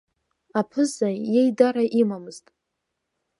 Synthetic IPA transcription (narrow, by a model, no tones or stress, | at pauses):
apʰɨzajejdaɾaʔimamɨz̥tʼ